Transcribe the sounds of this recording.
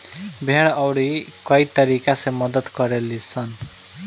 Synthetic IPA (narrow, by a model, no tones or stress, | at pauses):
bʱeɽ̃ʌwɽikʌjt̪ʌɾikasemʌd̪ʌt̪kʌɾelit͡sʰʌn